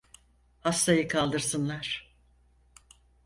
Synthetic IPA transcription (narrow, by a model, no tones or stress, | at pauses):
hast̪ajɯkʰalˠd̪ɯɾsɯnlˠaɾ̥